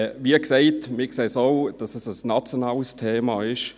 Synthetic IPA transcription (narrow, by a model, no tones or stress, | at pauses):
viːəkseɪtmɪkseːsowd̥ɑsɛsəsnat͡sjonɑːlstʰɛːmɑɪʃ